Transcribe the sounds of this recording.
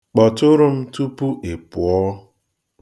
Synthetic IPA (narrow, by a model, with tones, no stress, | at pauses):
k͡pɔ˨tʊ˦ɾʊ˦m̩˦tu˦pu˦ʔe˨pʊ˨ɔ˦